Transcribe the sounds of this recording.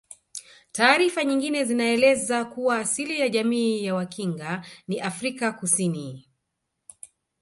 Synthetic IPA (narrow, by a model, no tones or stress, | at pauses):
taːɾifaɲiŋɡinɛzinaɛlɛzakuwaːsilijaʄamiːjawakiŋɡaniʔafɾikakusini